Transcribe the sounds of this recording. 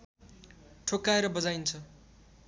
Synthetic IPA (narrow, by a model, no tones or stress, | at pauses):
ʈʰokːaeɾʌbʌd͡zajnt͡sʰʌ